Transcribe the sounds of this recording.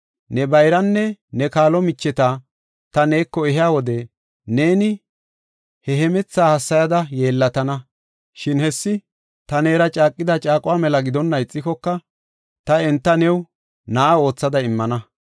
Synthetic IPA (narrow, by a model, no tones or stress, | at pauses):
nɛbɐjɾɐnːɛnɛkaːlɔmɪt͡ʃːɛt̪a | t̪ɐne̞ːkːɔɛɦɪjaːwɔd̪ɛ | ne̞ːnɪ | hɛɦɛmɛt͡sːaːhɐsːɐjɐd̪ɐje̞ːlːɐt̪ɐnɐ | ʃɪnhɛsːɪ | t̪ɐne̞ːɾɐt͡ʃʼaːkʼːɪd̪ɐt͡ʃʼaːkʼʊwaːmɛlɐɡɪd̪ɔnːɐɪt͡sʼːɪkɔkːɐ | t̪ɐɛnt̪ːɐnɛw | nɐʔao̞ːt͡sːɐd̪ɐɪmːɐnɐ